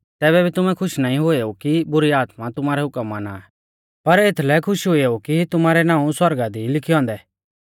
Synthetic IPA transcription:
t̪ɛːβɛbʱit̪ʊmɛ̃kʰʊʃnaːĩɦoeokibʊɾiaːt̪mat̪ʊmaːɾɛɦʊkəmana | pɐɾet̪ʰlɛkʰʊʃɦoeukit̪ʊmaːɾɛnãːũswɐɾɡad̪ilɪkʰiɔ̃ːnd̪ɛː

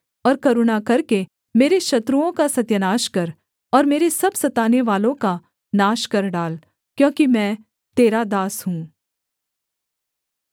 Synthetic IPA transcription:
ɔːɾkɐɾunakɐɾke | meːɾeʃɐt̪ɾuõkasɐt̪jənaːʃkɐɾ | ɔːɾmeːɾesɐbsɐt̪aːneʋaːlõka | naːʃkɐɾɖaːl | kjõːkimɛ̃ː | t̪eːɾad̪aːsɦũː

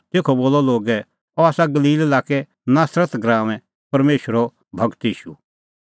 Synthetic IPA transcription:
t̪eːkʰɔboːlɔloːɡɛ | ɔaːsaɡɐliːlelaːkɛ | naːsɾət̪ɡɾãːʋɛ̃ | pɐɾmeːʃəɾɔ | bʱɐɡt̪iːʃṵ

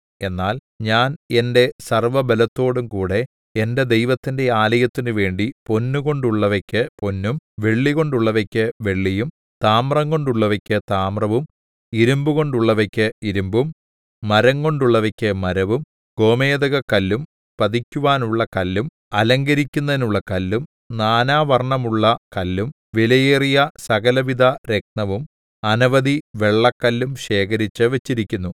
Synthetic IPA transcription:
e̞nːaːl | ɲaːne̞nde̞sɐrʋɐbɐlɐt̪ːo̞ːɽumkuːɽe̞ | ende̞d̪e̞jʋɐt̪ːinde̞aːlɐjɐt̪ːinɨʋe̞ːɳɖipo̞nːuɣo̞ɳɖuɭːɐʋɐkʲːɨpo̞nːumʋe̞ɭːiɣo̞ɳɖuɭːɐʋɐkʲːɨʋe̞ɭːijum | t̪aːmrɐŋko̞ɳɖuɭːɐʋɐkʲːɨt̪aːmrɐʋum | iɾumbuɣo̞ɳɖuɭːɐʋɐkʲːɨiɾumbumː | ɐɾɐŋko̞ɳɖuɭːɐʋɐkʲːɨmɐɾɐʋum | ɡ̥o̞ːmeːðɐɣɐkɐlːum | pɐðikʲːuʋaːnuɭːɐkɐlːum | ɐlɐŋɡɐɾikʲːunːɐðinuɭːɐkɐlːum | naːnaːʋɐrɳɐmuɭːɐkɐlːum | ʋilɐjeːrijɐsɐɣɐlɐʋid̪ʱɐɾe̞k̚nɐʋum | ɐnɐʋɐd̪iʋe̞ɭːɐkːɐlːumɕe̞ːkɐɾit͡ɕːɨʋet͡ɕːiɾikʲːunːu

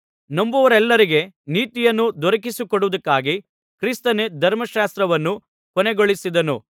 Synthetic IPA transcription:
nɐmbuʋɐɾɛlːɐɾiɡe̞niːt̪ijɐnːud̪ɔɾɐkisukɔɽuʋɐd̪ɐkːaːɡi | kɾist̪ɐned̪ʱɐɾmɐʃaːst̪ɾɐʋɐnːu | kɔneɡoɭisid̪ɐnṵ

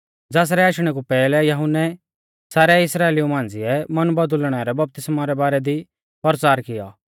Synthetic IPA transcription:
d͡zɛːs̬ɾɛaːʃɽ̃ɛkupɛːlɛjɐɦʊnːɛ | saːɾɛɪsɾaːeliumãːnd͡zɪɛmɐnbɐd̪ʊlɽ̃ɛɾɛbɐp̚t̪ɪsmaɾɛbaːɾɛd̪i | pəɾt͡saːɾkɪja̰ː

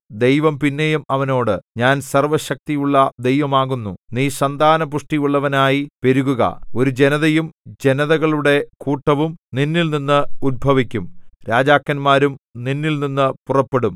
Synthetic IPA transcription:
d̪e̞jʋɐmpinːejumɐʋɐno̞ːɽɨɲaːnsɐrʋɐɕɐk̚t̪ijuɭːɐd̪e̞jʋɐmaːɣunːuniːsɐnd̪ʱaːnɐpuʂʈijuɭːɐʋɐnaːjipe̞ɾuɣuɣɐ̰o̞ɾud͡ʑe̞nɐðɐjumd͡ʑe̞nɐðɐɣɐɭuɽe̞kuːʈːɐʋumninːilninːɨud̪̚bʱɐʋikʲːumɾaːd͡ʑaːkːɐnmaːɾumninːilninːɨpurɐpːe̞ɽum

